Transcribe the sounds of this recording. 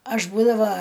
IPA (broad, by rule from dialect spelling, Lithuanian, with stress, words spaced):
ˈɐʃ ˈbuːdɐʋɐ